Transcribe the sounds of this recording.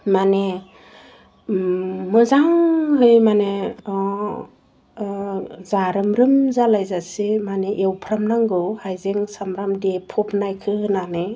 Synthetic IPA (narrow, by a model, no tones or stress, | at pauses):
mane | mɯzaŋɦɯjmane | zaɾɯmɾɯmzalajzasimaneʔewpʰɾamnaŋɡɯwhajzeŋsamɾamdepʰɔpnajkʰɯɯnanɯ